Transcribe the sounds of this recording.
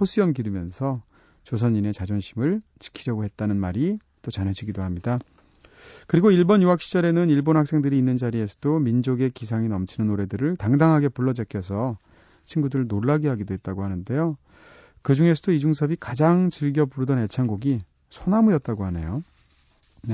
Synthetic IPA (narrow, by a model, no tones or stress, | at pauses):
pos͈ʰiʌmkiɾimjʌnsʰʌ | t͡ɕos̬ʰʌɲːine̞t͡ɕad͡ʑonɕʰimɯɭt͡ɕi̥kʰiɾjʌɡoɦe̞t̚t͈anɯnmaɾi | t͈ot͡ɕʌnɦe̞d͡ʑiɡidohamɲida | kɯɾiɡoiɭbʌnjuɦakɕ͈ʰi̥d͡ʑʌɾe̞nɯniɭbonɦhak̚s͈ʰe̞ŋdɯɾiːnːɯnd͡ʑaɾie̞sʰʌdomind͡ʑoɡe̞kis̬ʰaŋinʌmt͡ɕʰinɯnoɾe̞dɯɾɯɭtaŋdaŋɦaɡe̞puɭːʌd͡ʑekʰjʌsʰʌ | t͡ɕʰinɡudɯɾɯɭnoɭːaɡiɦaɡidoɦe̞t̚t͈aɡoɦanɯnde̞jo | kɯd͡ʑuŋe̞s̬ʰʌdoid͡ʑuŋsʰʌbikad͡ʑaŋt͡ɕiɭɡjʌpuɾudʌnet͡ɕʰanɡoɡi | sʰonamɯjʌt̚t͈aɡohane̞̰jo | ne